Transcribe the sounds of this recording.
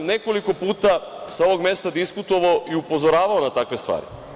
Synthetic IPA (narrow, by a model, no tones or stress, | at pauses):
mne̞ko̞liko̞puːt̪asao̞ʋo̞ɡme̞st̪ad̪iskut̪o̞ʋaoʔiupo̞zoɾaːʋaonat̪akʋe̞st̪ʋa̰ːɾḭ